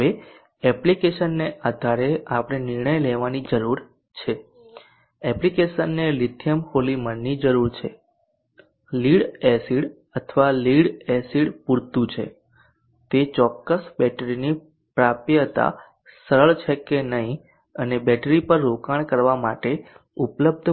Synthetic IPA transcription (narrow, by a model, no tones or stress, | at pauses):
ɦəʋe | ɛplikeʃənːeʔad̪ʱaɾeapəɽ̃eniɾɳəjleʋanid͡ʒəɾuɾ | t͡ʃʰe | ɛplikeʃənːelid̪ʰʱjəmkolimənːid͡ʒəɾuɾt͡ʃʰḛ | liɽɛsiɽ | ət̪ʰʋaliɽɛsiɽpuɾt̪ũt͡ʃʰḛ | t̪et͡ʃɔkːəsbɛʈɾini | pɾapjət̪a̰ | səɾəɭt͡ʃʰekenəɦĩ | ənebɛʈɾipəɾːokaɳ̃kəɾʋamaʈe | upləb̚d̪ʱ